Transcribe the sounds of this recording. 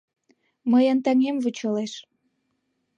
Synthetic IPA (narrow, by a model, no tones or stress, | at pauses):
məjənt̪ɑŋemvut͡ɕəleʃ